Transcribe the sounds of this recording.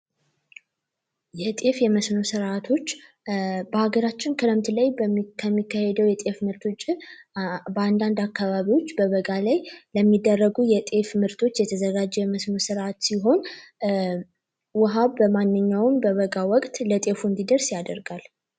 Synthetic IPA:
jɛt̪ʼe̞fjɛməsno̞sɨɾʔat̪ʰo̞t͡ʃː | bəhaɡəɾat͡ʃːɪnkʰələmt̪ʰɨləjkʰəmːikːahed̪əwjɛt̪ʼe̞fmɨɾt̪ʰot͡ʃʼːɪ | bəand̪and̪akːaβaβiwo̞t͡ʃːbəβəɡalajləmːid̪ːərːəɡujɛt̪ʼe̞fmɨɾt̪ʰo̞t͡ʃːjɛt̪ʰəzəɡad͡ʒːɛjɛməsno̞sɨɾʔat̪siɦo̞n | wʊɦaβbəmanːɨɲːawmbəβəɡawɔkʼt̪lət̪ʼe̞fuɨnd̪id̪əɾsjad̪əɾɡal

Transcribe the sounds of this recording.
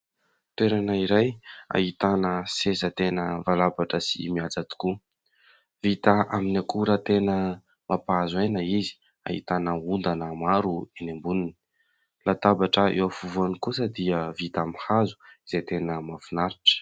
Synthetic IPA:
t̪eɾanaiɾaja̰hit̪anəsezət̪enəvalabaʈ͡ʂəsḭmiad͡zat̪i̥ku | vit̪aaminakuɾat̪enə | mʔapaazwenəizi̥ | a̰ɦḭt̪anəund̪anəmaɾuenembunini̥ | lat̪abaʈ͡ʂəḛwafuvuanikusəd̪iəvit̪amihazu̥izet̪enəmafunaɾiʈ͡ʂə̥

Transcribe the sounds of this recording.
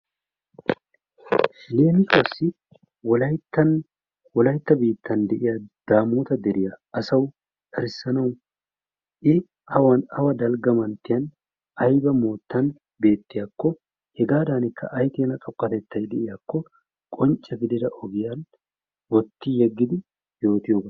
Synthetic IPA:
le̞ːmɪtɔsːɪ | wɔlɐjt̪ːɐn | wɔlɐjt̪ːɐbiːt̪ʰːɐnd̪ɛʔɪjɐd̪̥aːmuːt̪ɐd̪ɛɾɪjɐɐsɐw | ᶑɐɾɪsːɐnɐw | ʔɪ | hɐwɐnɐwɐd̪ɐlɡɐmɐnt̪ːɪjɐn | ɐjbɐmoːt̪ːɐn | be̞ːt̪ːɪjakːɔ | hɛɡaːd̪aːnɪkːɐ̰ʔɐjt̪ɪːnɐt̪ʼɔkːɐt̪ɛt̪ːɐjd̪ɛʔɪjakːɔ | kʼɔnt͡ʃʼːɐɡɪd̪ɪd̪ɐʔɔɡɪjan | wɔt̪ːɪjɛɡːɪd̪ɪ | jo̞ːt̪ɪjo̞ːbɐ

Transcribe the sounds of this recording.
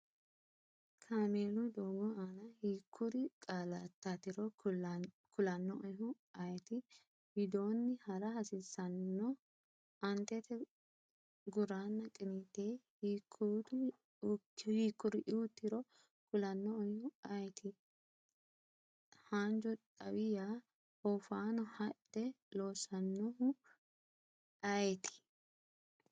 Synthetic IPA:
kʰaːmeːlʊd̪oːɡɔaːnɐhiːkʰːʊɾɪkʼalɐt̪ːat̪ɪɾɔ | kʰʊlɐnːɔʔɔjɦʊ | ɐjt̪ɪ | hɪd̪o̞ːnːɪhɐɾɐhɐsɪsːɐnːɔ | ɐnt̪ɛt̪ɛ | ɡʊɾaːnːɐkʼɪnit̪ːeːhiːkːt̪ː | hiːkːʊɾɪʔɪʊt̪ːɪɾɔ | kʊlɐnːɔːjɔɐjɛt̪ʰɪ | haːnd͡ʒɔᶑʼɐwɪja | hɔfaːnɔhɐᶑɛ | loːsɐnːɔʊ | ɐjɛt̪ɪ̥

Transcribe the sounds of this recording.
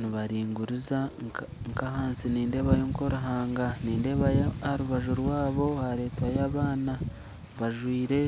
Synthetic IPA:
niβaɾiːŋɡuɾuza | ŋkahaːnsiniːnde̞βajoŋko̞ɾuɦaːŋɡaniːnde̞βaaaɾuβaʒuɾwaːβo̞haɾe̞ːtwajaːβaːna | βaʒwiːɾe̞

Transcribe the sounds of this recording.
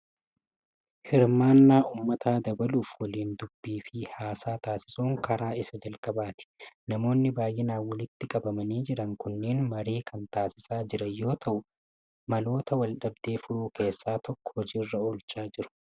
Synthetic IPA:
hɪɾmaːnːaːʔuːmːɐt̪ʰaːd̪ɐbɐluːfwɔliːnd̪ʊbːiːfɪhaːsaːt̪aːsɪ̥suːŋkɐɾaːɪsɐd͡ʒɐlkʼɐbaːt̪ɪ̥nɐmo̞ːnːɪbaːjʔɛnaːwɐlɪt̪ːɪkʼɐbɐmɐniːd͡ʒɪɾɐŋkʊnːeːnmɐɾeːkʰɐnt̪aːsɪsaːd͡ʒɪɾɐjːo̞ːt̪ʰɐʔʊ | mɐlo̞ːt̪ɐwɐlɗɐb̚d̪̥e̞ːfʊɾuːkʰe̞ːsːaːt̪ɔkːɔ̥hɔd͡ʒiːrːɐoːlt͡ʃaːd͡ʒɪɾʊ̥

